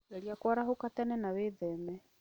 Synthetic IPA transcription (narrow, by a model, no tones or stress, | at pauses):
eɾiakwaɾaɦokatanɛnaweðɛmɛ